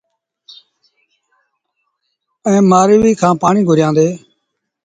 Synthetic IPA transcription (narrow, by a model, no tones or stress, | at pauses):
ɛ̃ːmaːɾɪʋiːkʰãːpaːɳĩːɡʱʊɾjãːnd̪eː